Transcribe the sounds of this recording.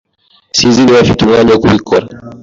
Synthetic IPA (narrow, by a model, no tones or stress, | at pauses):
siziniwafitumaɲɔkuwikɔɾa